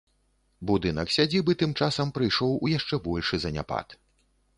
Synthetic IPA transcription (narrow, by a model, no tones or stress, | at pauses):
bud̪ɨnɐksʲad͡zʲibɨt̪ɨmt͡ʂasɐmpɾɨjʂɔwujaʂt͡ʂɛbɔlʲʂɨzɐnʲa̰pa̰t̪